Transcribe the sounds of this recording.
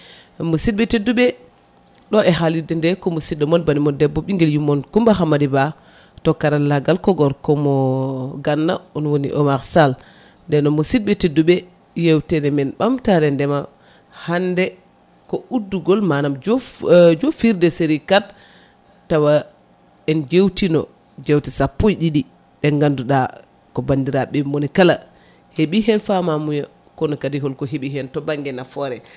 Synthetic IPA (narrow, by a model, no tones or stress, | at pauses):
musid̚ɓɛtedːuɓɛ | ɗɔʔɛɦalidɛndɛkɔmɔsidːɔmɔnbanimɔndɛbːɔɓiŋɡɛljumːɔnkumbaɦamadiba | tɔkːaɾalːaɡalkɔɡɔɾkɔmɔɡanːa̰ɔnwonḭʔɔmaɾsal | ndɛnɔmɔsid̚ɓɛtedːuɓɛ | jewtɛnɛmɛnɓamtaɾɛndɛma | handɛ | kɔudːuɡɔlmanamd͡ʒd͡ʒofiɾdɛseɾikat | tːawa | ɛnd͡ʒewtinɔ̰ | d͡ʒewtisapːojɗiɗi | ɗɛŋɡanduɗa | kɔbandiɾaɓɛmonikala̰ | heɓiɦɛnfamamuja | kɔnɔkadiɦɔlkɔɦeɓiɦɛntɔbaŋɡɛnafɔɾɛ